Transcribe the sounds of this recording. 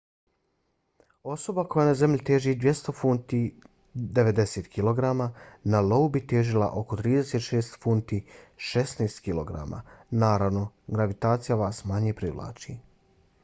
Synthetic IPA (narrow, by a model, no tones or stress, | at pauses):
o̞so̞bako̞janaze̞mʎit̪e̞ːʒid̪ʋje̞st̪o̞funt̪i | d̪e̞ʋe̞d̪e̞seːt̪kʰilo̞ɡɾamaːnaloubit̪eːʒila̰ʔo̞ko̞t̪ɾiːd̪eseːt̪ʃeːst̪funt̪iʃesneːst̪kilˠo̰ɡɾa̰ma̰ːnaːɾaʋno̞ɡɾaʋit̪aːt̪sijaʋaːsmaɲepɾiʋlˠa̰ːt͡ʃiː